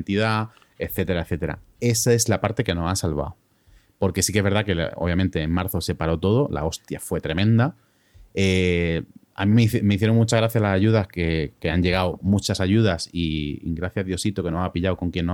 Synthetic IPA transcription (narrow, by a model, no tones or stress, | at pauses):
nt̪iða | e̞θe̞t̪e̞ɾaeθe̞t̪e̞ɾa̰ | e̞sae̞zlapaɾt̪e̞ke̞no̞ansalβa̰w | po̞ɾke̞sike̞zβeɾðake̞̰o̰βjamẽnt̪e̞ːŋmaɾθo̞se̞paɾo̞t̪o̞ð̞o̞la̰o̞st̪ja̰fwe̞t̪ɾe̞mẽnd̪a | e | a̰mĩmeme̞iθjeɾo̞ŋmut͡ʃaɣ̞ɾaθjalasaʝuð̞aske̞keaɲʝe̞ɣ̞awmut͡ʃasaʝuðasiḭŋɡɾaθjaðjo̞sit̪o̞ke̞noapiʎawko̞ŋkje̞nːo